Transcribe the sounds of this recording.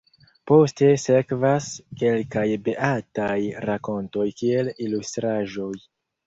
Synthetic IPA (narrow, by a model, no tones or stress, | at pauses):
po̞ste̞se̞kvaske̞lkajbeʔatajɾako̞nto̞jkie̞lilustɾaʒo̞j